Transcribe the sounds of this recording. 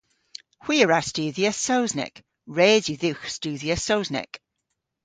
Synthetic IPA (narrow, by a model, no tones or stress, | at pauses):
hw̥iːəɹastʉːðiəsowznɛ̰k | ɹeːzjuðiwxstʉːðiəsowznɛ̰k